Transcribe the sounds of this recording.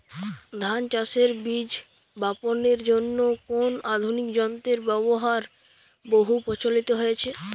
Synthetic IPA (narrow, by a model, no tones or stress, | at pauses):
d̪ʱant͡ɕaseɾbid͡ʑ | baponeɾd͡ʑonːokonad̪ʱunikd͡ʑɔnt̪eɾbɛβoɦaɾ | boɦupɔt͡ɕʰolit̪oɦojet͡ɕʰe